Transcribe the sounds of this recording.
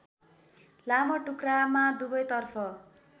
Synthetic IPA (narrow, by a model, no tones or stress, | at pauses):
lamʌʈukramad̪ubʌjt̪ʌrpʰʌ